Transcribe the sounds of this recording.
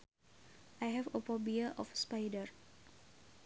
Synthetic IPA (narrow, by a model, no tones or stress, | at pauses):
ʔajɦɛvopɔbiaʔɔfspajdər